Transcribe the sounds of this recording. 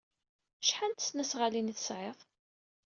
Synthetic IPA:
ʃħant̪ə̥snæsʁaliniθəsʕeðˤ

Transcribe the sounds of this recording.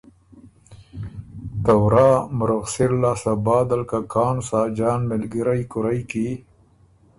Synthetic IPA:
t̪awɾɑːmʊɾaɣsiɾlasabɑːd̪alkakʰɑːnsaːd͡ʒɑːnmɪlɡiɾajkʊɾajki

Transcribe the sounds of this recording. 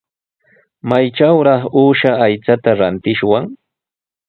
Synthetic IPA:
majʈ͡ʂawɾɑχuːʃaːjt͡sat̪aɾant̪ɪʃwaŋ

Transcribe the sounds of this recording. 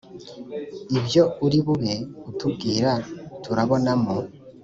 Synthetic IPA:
ibjo̞uɾiβuβeutʰubɡiːɾatʰuɾaβo̞namo

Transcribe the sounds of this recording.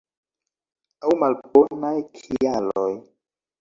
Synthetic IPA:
awmalbonajkʰialoj

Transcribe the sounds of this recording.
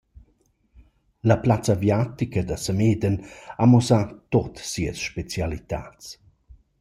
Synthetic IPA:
ləplat͡səvjat̪ikəd̪əsəmeːd̪ənamɔsat̪ot̪siə̰sʃpet͡sjalit̪a̰t͡s

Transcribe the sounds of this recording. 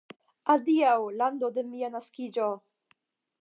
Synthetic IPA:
adiawland̪od̪emianaskid͡ʒo

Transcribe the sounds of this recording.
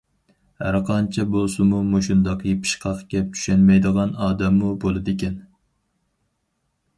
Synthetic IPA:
hæɾqʰɑnt͡ʃʰɛbolˠsɨmumoʃund̪ɑqʰjepʰɨ̥ʃqʰɑqkʲɛp̚t͡ʃ̪ʰy̥ʃɛnmɛjd̪əʁɑnɑːd̪ɛmːubolˠɨd̪ɪkʲɛn

